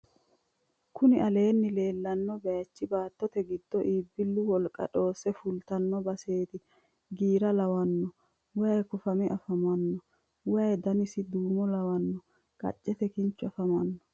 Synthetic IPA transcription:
kʊnɪʔɐle̞ːnːɪle̞ːlːɐnːɔbɐjɐt͡ʃːɪbaːt̪ːɔt̪ɛɡɪd̪ːɔʔiːbːɪlːʊwɔlkʼɐ̰ᶑo̞ːsɛfʊlt̪ɐnːɔbɐse̞ːt̪ɪ | ɡiːɾɐlɐwɐnːɔ | wɐɐjkʊfɐmɛʔɐfɐmɐnːɔ | wɐjd̪ɐnɪsɪd̪uːmɔlɐwɐnːɔ | kʼɐ̰t͡ʃʼːɛt̪ɛkɪnt͡ʃːʊɐfɐmɐnːɔ̥

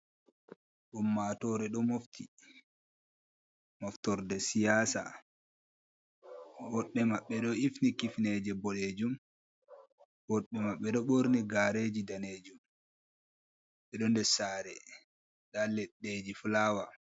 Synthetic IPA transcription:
ɗumːatɔɾɛɗɔmoftʰi | mɔftɔɾdɛsijaːsa̰ | wɔɗːɛmaɓːɛɗɔifnikifned͡ʒɛbɔled͡ʒum | wɔɗːɛmaɓːɛɗɔɓoɾniɡaɾed͡ʒidaneːd͡ʒum | ɓɛɗɔndɛsaːɾɛ | ɗalɛɗːeːd͡ʒiflaːwa

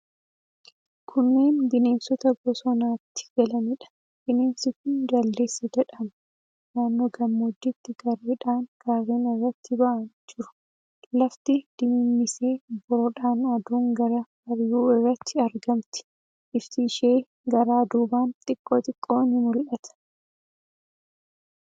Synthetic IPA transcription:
kʰʊnːeːnd̪ɪne̞ːnsɔt̪ɐɡɔsɔnaːt̪ːɪ̥ɡ̥ɐlɐnɪᶑɐ̥ | d̪̥ɪne̞ːnsɪkʊnd̪ɐlːe̞ːsːɐd͡ʒɛᶑɐmɐ | naːnːoːɡɐmːoːd̪ːɪt̪ːɪɡɐɾbɪᶑaːŋɡ̥aːrːeːnɪrːɐt̪ːɪbɐʔɐnd͡ʒɪɾʊ̥ | lɐft̪ɪd̪̥ɪmɪmːɪseːbɔɾɔᶑaːnɐd̪uːŋɡɐɾɐbɐɾjuːɪrːɐt̪ʰːɪɐɾɡɐmt̪ɪ̥ | ʔɪft̪ɪːʃeː | ɡɐɾaːd̪uːbaːnt̪ʼɪkʼːoːt̪ʼɪkʼːoːnɪmʊlʔɐt̪ʰɐ̥

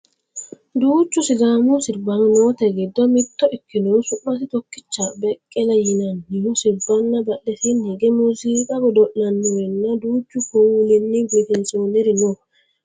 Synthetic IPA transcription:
d̪uːt͡ʃːʊsɪɡaːmʊsɪɾbːɐnʊnoːt̪ɛɡɪd̪ːɔmɪt̪ːɔʔɪkːɪnɔwsʊʔːɐs̬ɪt̪ɔkːɪt͡ʃːabɛkʼːɛlɐjɪnɐnːɪhʊsɪɾbːɐnːɐbɐʔɛsɪnhɛɡɛmusiːkʼɐɡɔd̪ɔʔːɐnːʊwɛnːɐd̪uːt͡ʃːʊkɔwlɪnːɪɡʊt̪ɛnsoːnɛɾɪnɔ

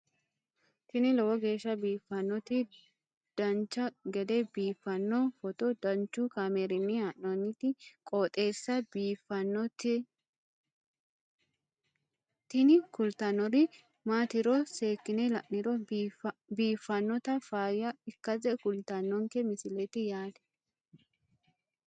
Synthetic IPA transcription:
t̪ɪnɪlɔwɔɡe̞ːʃːɐbiːfːɐnːɔt̪ɪ | d̪̥ɐnt͡ʃːɐɡɛd̪ɛbiːfːɐnːɔfɔt̪ɔd̪ɐnt͡ʃːʊkaːmeɾɪnːɪaʔnɔnːɪt̪ɪkʼoːt̪ʼe̞ːsːɐbiːfɐnːɔtɪ | t̪ɪnɪkʊlt̪ɐnːɔɾɪ | maːt̪ɪɾɔseːkːɪnɛlɐʔnɪɾɔ | biːfːɐnːɔt̪ɐfaːjɐɪkːɐzɛkʊlt̪ɐnːɔŋkɛmɪsɪlɛt̪ɪjaːd̪ɛ̥

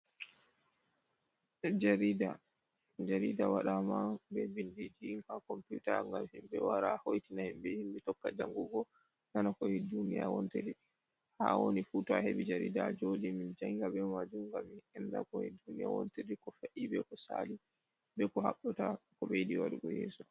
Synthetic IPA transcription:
d͡ʒaɾida | d͡ʒaɾidawaɗamabɛbindid͡ʒikakɔmputaŋɡamhimbɛ̰waɾahojtinahimbɛhimbitɔkːad͡ʒaŋɡuɡɔ | nanakɔɛdunija̰wɔnteɾi | hawonifutɔaheɓid͡ʒaɾḭdad͡ʒodimind͡ʒaŋɡabɛmad͡ʒumɡamiɛnda̰kɔhɛdunija̰wɔ̰nteɾikɔfaʔibɛkɔsali | bɛkɔhaɓɔtakɔbejdiwaɗuɡɔjɛ̰ːsɔ

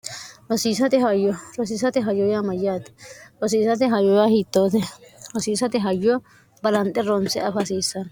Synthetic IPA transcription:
ɾɔsiːsɐt̪ɛhɐjːɔɾɔs̬iːsɐt̪ɛɦɐjɔjamɐjːaːt̪ɛ̥ɾɔsiːsɐt̪ɛɦɐjɔjahiːt̪ːoːt̪ɛɾɔsiːsɐt̪ɛɦɐjːɔ | bɐlɐnt̪ʼːɛɾɔnsɛɐfɐsiːsːɐn

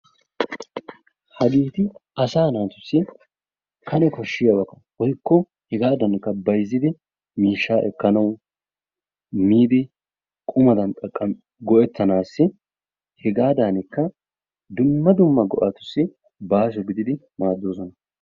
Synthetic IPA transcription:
hɐɡiːt̪ɪɐsaːnaːt̪ʊsːɪ | kʰɐnɛkɔʃːɪjɐwɐkɐ̥wɔjkːɔ | hɛɡaːd̪ɐnkːɐbɐjzːɪd̪ɪ | miːʃːaːʔɛkːɐnɐw | miːd̪ɪ | kʼʊmɐd̪ɐnt̪ʼɐkʼːɐm | ɡɔʔɛt̪ːɐnaːsːɪ | hɛɡaːd̪anɪkːɐ | d̪ʊmːɐd̪ʊmːɐɡɔ̰ʔɐt̪ʊ̥sːɪ | baːs̬ɔɡɪd̪ɪd̪ɪ | maːd̪ːoːsɔnɐ

